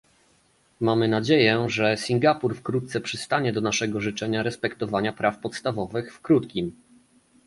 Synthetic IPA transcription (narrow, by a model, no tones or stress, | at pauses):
mamɘnad͡ʑejɛʐɛsʲiŋɡapuɾfkɾut̪̚t̪sɛpʂɘst̪aɲɛd̪ɔnaʂɛɡɔʐɘt͡ʂɛɲaɾɛspɛkt̪ɔvaɲapɾʔafpɔt̪st̪avɔvɘxfkɾut̪kʲim